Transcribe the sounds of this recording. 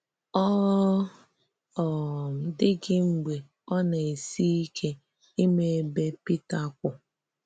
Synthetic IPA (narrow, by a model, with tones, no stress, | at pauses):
ɔ˦ | ɔ˨m̩˨dɪ˦ɡɪ˦ŋ͡m̩˨ɡ͡be˨ | ɔ˦na˨e˨si˦i˦kʰe˦ | i˦me˨˦be˦pi˦ta˨˦kʷʊ˨